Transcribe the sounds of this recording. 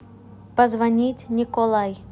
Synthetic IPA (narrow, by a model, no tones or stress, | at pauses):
pɐzvɐnʲitʲnʲikɔlˠaj